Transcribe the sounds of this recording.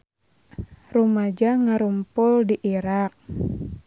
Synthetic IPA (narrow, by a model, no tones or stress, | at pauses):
rumad͡ʒaŋaɾumpʊldiʔiɾak̚